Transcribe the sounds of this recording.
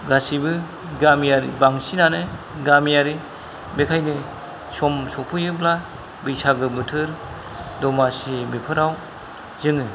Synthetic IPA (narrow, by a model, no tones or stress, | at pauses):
ɡasibɯ | ɡamijaɾḭbaŋsinanɯ | ɡamijaɾi | bekʰajnɯ | sɔmsɔpʰɯjɯbla | bɯjsaɡɯbɯtʰɯɾ | dɔmasibepʰɯɾaw | zɯŋɯ